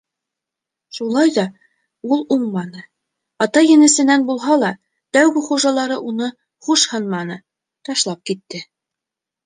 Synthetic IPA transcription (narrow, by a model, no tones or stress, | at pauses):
ʃulˠɑjðɑ | ulˠuɴmɑnɤ | ɑt̪ɑjɘ̆nɘ̆sɘ̆nænbulˠɦɑlˠɑ | t̪æwɡɘχuʒɑlˠɑɾɤʔunɤ | χuʃhɤnmɑnɤ | t̪ɑʃlˠɑp̚kit̪ːɘ